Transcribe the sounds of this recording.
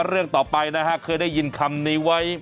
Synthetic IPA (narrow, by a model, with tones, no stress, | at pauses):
ɾɯ˥˩əŋt̪ɔː˨˩pa˧jna˦˥kʰa˦˥kʰɤː˧jda˥˩ji˧nkʰa˧mniː˦˥wa˦˥j